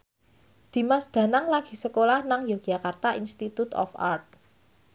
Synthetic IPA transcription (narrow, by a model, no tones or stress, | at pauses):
d̪̥i̤masd̪̥ä̤naŋlaɡ̥i̤səkolahnaŋjɔ̥ɡ̥ʒ̥a̤kart̪aʔinst̪it̪ut̪ɔ̰fa̰rt̪̚